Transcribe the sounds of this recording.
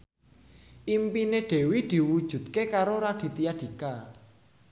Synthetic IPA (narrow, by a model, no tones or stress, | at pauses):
ʔimpineɖ̪̥e̤wid̪̥i̤wud̥ʒ̥ṳd̪kekaɾoɾaɖ̪̥i̤t̪iad̪̥i̤ka